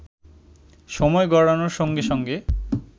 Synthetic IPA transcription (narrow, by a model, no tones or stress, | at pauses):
ʃɔmɔeɡɔɽanoɾʃoŋɡeʃɔŋɡe